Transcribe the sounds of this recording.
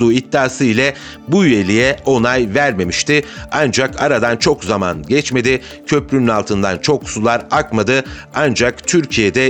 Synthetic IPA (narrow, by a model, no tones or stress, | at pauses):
uːit̪ːaːsɯilʲɛ | buyje̞lʲijɛo̞najvæɾme̞miʃt̪ʰɪand͡ʒakʰaɾad̪ant͡ʃʰo̞kzama̰nɟɛt͡ʃme̞d̪ɪ | cʰø̞plʲynynalˠt̪ʰɯnd̪ant͡ʃʰo̞ksulˠaɾakmad̪ɯand͡ʒakt̪ʰyɾcʰijed̪ɛ